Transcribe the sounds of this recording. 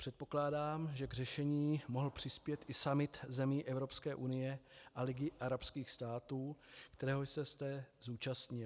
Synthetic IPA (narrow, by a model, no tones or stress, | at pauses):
pr̝̥ɛt̪̚po̞klaːdaːmʒɛɡr̝ɛʃɛɲiːmo̞ɦl̩pr̝̥ɪspjɛt̪ʔɪsamɪt̪zɛmiːʔɛvɾo̞pskɛːʔunɪjɛʔalɪɡɪʔaɾapskiːxst̪aːt̪uːkt̪ɛɾɛːɦojsɛst̪ɛzuːt͡ʃast̪ɲɪl